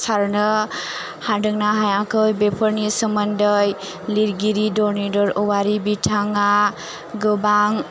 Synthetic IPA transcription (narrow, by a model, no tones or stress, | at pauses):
saɾnɯ | hadɯŋnaɦajakʰɯjbepʰəɾnisəməndəj | liɾɡiɾidɔɾnidɔɾɔwaɾibitʰaŋa | ɡɯbaŋ